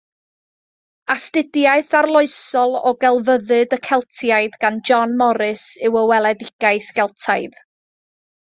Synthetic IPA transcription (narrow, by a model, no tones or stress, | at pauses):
astɪdjaɨθarlˠʊɨsɔlˠɔɡɛlˠvəðɨdəkʰɛlˠtʰjaɨðɡand͡ʒɔnmɔɾɨsɪwəwɛlˠɛdɪɡ̥aɨθɡ̥ɛlˠtʰaɨð